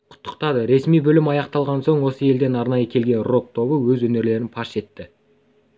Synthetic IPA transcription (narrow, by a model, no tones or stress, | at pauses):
qʰʊ̥t̪ːə̥qt̪ɑd̪əɾe̞smijbɵlɪmɑjɑqt̪ɑlˠʁɑnso̞ɴwo̞səe̞ld̪e̞nɑɾnɑjəkʲʰe̞lɡʲe̞nro̞k̚t̪ʰo̞bəwɵzwɵne̞ɾle̞ɾɪnpʰɑʃe̞t̪ːɪ